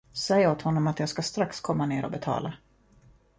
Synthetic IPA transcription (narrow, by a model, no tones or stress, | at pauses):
sɛjoːt̪hɔnːɔmat̪jɑːɡskast̪ɾakskʰɔmːaneːɾɔ̰bɛt̪ʰɑ̰ːlʔa